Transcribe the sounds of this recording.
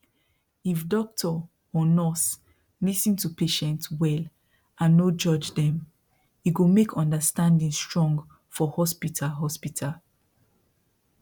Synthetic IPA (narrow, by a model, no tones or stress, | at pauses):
ifdɔk̚tʰɔ | ɔnɔs | lisĩntupʰeʃɛ̃ntwɛl | ʔãnːod͡ʒɔd͡ʒdɛ̃m | iɡomekʰɔ̃ndəstãndĩnstɹ̥ɔ̃ŋɡ | fɔhɔspitʰalɦɔspitʰal